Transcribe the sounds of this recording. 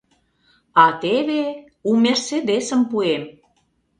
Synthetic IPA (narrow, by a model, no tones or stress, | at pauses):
ɑt̪eβe | umersed̪esəmpuem